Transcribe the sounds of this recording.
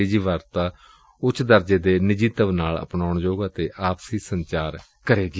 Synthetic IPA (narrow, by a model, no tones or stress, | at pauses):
eːd͡ʒiːʋaːɾt̪aː | ʊt͡ʃʰd̪əɾd͡ʒeːd̪eːnɪd͡ʒiːt̪əʋnaːlə̰pnaːʊɳd͡ʒoːɡaːt̪eːʔaːpsiːsəɲt͡ʃaːɾ | kəɾeːɡi